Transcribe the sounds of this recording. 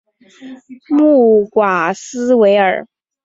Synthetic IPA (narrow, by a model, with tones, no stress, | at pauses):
mu˥˩kwa˨˩sɹ̩˥we˧˥ɪə̰˞˨˩˦